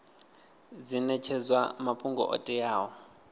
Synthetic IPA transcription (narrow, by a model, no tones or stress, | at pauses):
d͡zinɛt͡ʃʰɛzwamapʰuŋɡɔ̰ʔɔ̰tʼijaːwɔ